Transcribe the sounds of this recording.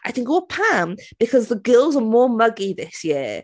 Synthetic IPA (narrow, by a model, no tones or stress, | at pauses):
ʔaɪθɪ̃ŋkɔlˠpʰãmb̥ɪkʰɒzðəɡɪlˠzəmɔːmʌɡiðɪsjɪə